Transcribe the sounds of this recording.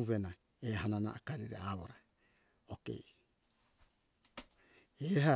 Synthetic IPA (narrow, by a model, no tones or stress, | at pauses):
uβena | eɦanana̰ʔːkaɾiɾḛaβoɾa | okḛ | eɦa